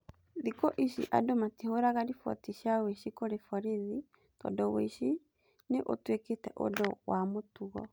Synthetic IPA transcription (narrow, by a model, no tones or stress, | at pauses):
ðikoʔiɕḭʔa̰domatihoɾaɣaɾifwɔ̰tiɕjaweɕikoɾefɔɾiði | tɔ̰dɔwḛɕi | neʔo̰tweketɛʔo̰dɔwamotuɣɔ